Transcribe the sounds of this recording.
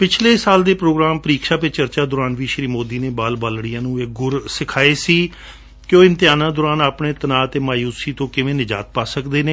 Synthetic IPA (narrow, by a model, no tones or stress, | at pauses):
pɪt͡ʃʰleːsaːld̪eːpɾoːɡɾaːmpəɾiːkʃaːpɪt͡ʃəɾt͡ʃaːd̪ʊɾaːnʋiːʃɾiːmoːd̪iːneːbaːlbaːlɽijãːnũːek̚ɡʊɾsɪkʰaːeːsiː | kɪõːɪ̃nt̪ɪjaːnãːd̪ʊːɾaːnaːpɳeːt̪ənaːt̪eːmaːjuːsiːt̪õːkɪʋẽːnɪd͡ʒa̰ːt̪̚paːsəkd̪eːneː